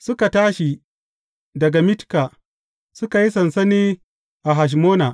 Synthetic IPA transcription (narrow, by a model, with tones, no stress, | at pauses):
sʊ˦ka˨taː˦ʃi˨ | dɐ˨ɡa˨mɪ˦tkaː˨ | sʊ˦ka˨ji˦sɐ˨nsɐ˦neː˦ | ʔa˨ɦa˨ʃ̬moː˦naː˨ʔ